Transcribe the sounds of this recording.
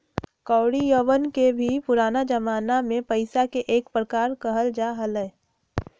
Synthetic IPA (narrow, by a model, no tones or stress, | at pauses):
kɔːʊɽijəʋənkebʱipʊɾaːnad͡ʒəmaːnamẽpəɪsakeʔeːkpɾəkaːɾkəɦəld͡ʒaɦələ